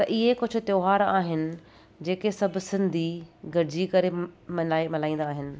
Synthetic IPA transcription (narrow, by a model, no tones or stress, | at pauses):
t̪ɐʔɪɦekʊd͡ʑʱʊ̆t̪joːɦaːɾaːɦɪnɪ̆ | d͡ʑeːkesɐbʱsɪ̃nd̪ʱiɡɐɾɪd͡ʑikɐɾemɐlaːemɐlaːĩːnd̪aːɦɪnɪ̆